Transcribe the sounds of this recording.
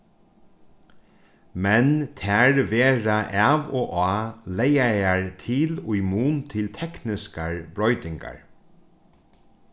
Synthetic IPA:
mɛnt̪ʰæɹʋeːɾaʔɛʋoːʔaːlejajaɹt̪ʰɪlʊjmuːnt̪ʰɪlt̪ʰɛknɪskaɹbɾɔʏt̪ɪŋka̰ɹ

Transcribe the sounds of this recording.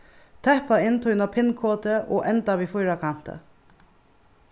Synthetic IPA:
t̪ʰɛhpaɪnt̪ʰɔʏnapʰɪnkʰoːt̪əʔo̰ːʔɛnt̪aʋiːfɔjɾakʰan̥t̪ə̰

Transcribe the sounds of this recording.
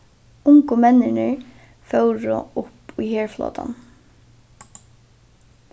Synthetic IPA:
ʊŋkʊmɛnːɪnɪ̰ɹ | fœwɾʊ̰ʊpujheːɹflɔ̰ːt̪ʰa̰n

